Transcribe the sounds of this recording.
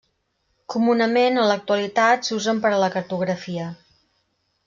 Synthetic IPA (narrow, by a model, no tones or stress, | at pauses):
kumunəmenələk̚t̪uəlit̪at̪suzəmpəɾələkəɾt̪uɣɾəfiə